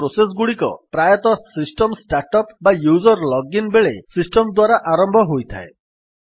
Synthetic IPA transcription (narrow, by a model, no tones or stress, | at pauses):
ɾoses̬ɡuɽikɔ̰pɾajɔt̪ɔsisʈɔmsʈaɾʈɔpbajuzɔɾlɔɡinbeɭesisʈɔmd̪waɾaʔaɾɔmbʱɔɦojt̪ʰa̰e